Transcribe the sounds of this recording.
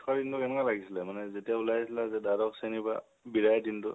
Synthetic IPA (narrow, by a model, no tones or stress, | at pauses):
tʰɔdintʊɛnkalaɡisilɛmanɛzetijaulajsilazɛdaɾɔkseniba̰ | biɾajdintʊ